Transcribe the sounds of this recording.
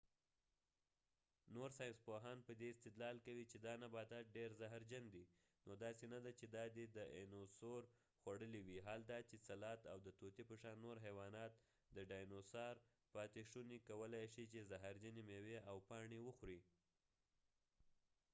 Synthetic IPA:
noɾsɑjnspoɦɑnpəd̪eɪst̪ɪd̪lɑlkawit͡ʃed̪ɑnabɑt̪aɖeɾzaɦaɾd͡ʒand̪i | nod̪ɑsenad̪at͡ʃed̪ɑd̪ed̪əenosoɾ | xwaɽəliwiɦald̪ɑt͡ʃesalɑt̪awd̪ət̪ot̪ipəʃɑnːoɾɦawɑnɑt̪̚ | d̪əɖɑjnosɑɾ | pɑt̪eʂunikawəlajʃit͡ʃezaɦaɾd͡ʒanemeweawpɑɳewəxɾi

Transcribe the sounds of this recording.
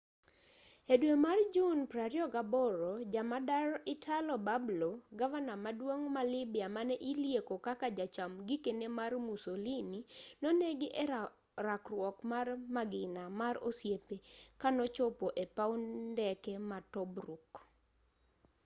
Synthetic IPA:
edwemard͡ʒunpɾaɾjɔɡabɔɾod͡ʒamadaɾɔʔɪtʰalɔbabloɡavanamadwoŋmalɪbɪamanɛʔiljekokakad͡ʒat͡ʃamɡikenemarmusolininɔneɡɪʔɛ | rakrwɔkmarmaɡɪnamaro̰sjepekanɔt͡ʃɔpoʔepaundɛkɛmatɔbɾuk

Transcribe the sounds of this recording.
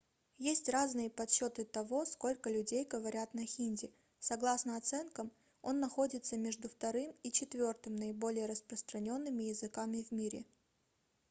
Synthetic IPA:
jesʲtʲraznɨjəpɐt̪ɕːo̞t̪ɨt̪ɐvo̞sko̞lʲkəlʲʉdʲejɡəvɐɾʲat̪nɐxʲinʲdʲɪ | sɐɡlˠasnəɐt̪sɛnkəm | o̞nːɐxo̞dʲɪt̪səmʲeʐd̪ʊft̪ɐɾɨmit͡ɕɪt̪vʲo̞rt̪ɨmnəɪbo̞lʲɪjəɾəspɾəst̪ɾɐnʲo̞nːɨmʲɪjɪzɨkamʲɪvmʲiɾʲɪ̰

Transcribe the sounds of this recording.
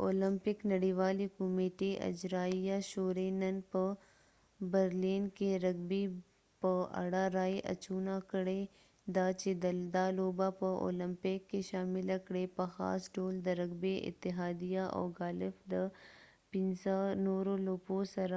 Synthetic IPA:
o̰ːləmpɪknɐɽiʋaːlikʊmeːʈiʔɐ̰d͡ʒɾaːijaʃoːɾenɐnpɐ | bəɾliːnkeɾɐɡbi | pɐɐ̰ɽaɾaːeʔɐ̰t͡ʃuːnakəɽe | d̪aːt͡ʃed̪ɐld̪aːloːbapɐʔo̰ːləmpɪkːeʃaːmɪlɐkɽepɐxa̰ːsɖoːld̪ɐɾɐɡbeʔɪ̰t̪ːɪɦaːd̪ijaʔɔ̰ːɡaːlɪfd̪ə | pɪnsanoːɾoloːposɐɾ

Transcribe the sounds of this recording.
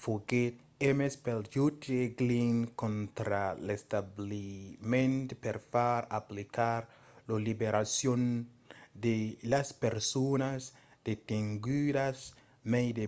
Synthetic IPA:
foɡet̪̚ | emespeljut̪eɡliŋkõnt̪ɾalest̪ablimẽnt̪peɾfaɾaplikaɾ | lolibeɾasjon | d̪elaspeɾsonas | d̪̥et̪iŋɡydas | mejd̪e

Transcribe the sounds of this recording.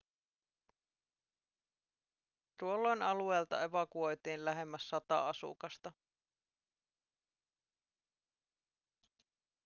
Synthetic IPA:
t̪uolːo̞jnɑlue̞ːlt̪ɑ̰e̞ʋɑkuo̞jt̪iːnlæɦe̞mːæsːɑt̪ɑ̰ɑsṵkɑst̪ɑ

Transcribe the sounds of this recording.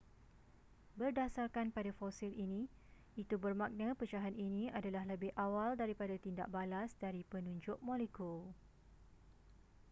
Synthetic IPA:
bərdasarkanpadafɔsilinĩ | it̪ubərmãk̚nãpət͡ʃaɦaninĩadalahləbɪhʔawaldaɾipadat̪inda̰ʔ̚balasdaɾipənũɲd͡ʒʊʔ̚mɔ̃lekul

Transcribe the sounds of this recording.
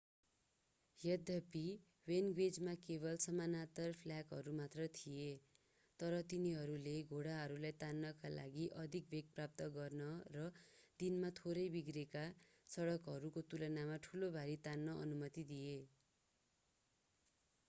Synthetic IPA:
jʌd̪ʱʌpi | wenɡwed͡zmakebʌlsʌmanat̪ʌrpʰljakɦʌɾumat̪rʌt̪ʰije | t̪ʌɾʌt̪iniɦʌɾuleɡʱoɽaɦʌɾulajt̪anːʌkalʔa̰ɡiʔʌd̪ʱik̚bekprap̚t̪ʌɡʌrnʌrʌd̪inmat̪ʰoɾʌjbiɡreka | sʌɽʌkɦʌɾukot̪ulʌnamaʈʰulobʱaɾit̪anːʌʔʌ̰numʌt̪id̪ije

